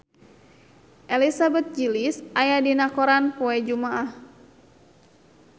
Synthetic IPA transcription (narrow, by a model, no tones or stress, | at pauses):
ʔɛlisabɛt̪̚d͡ʒilisajadinakɔɾanpɔɛd͡ʒumaʔah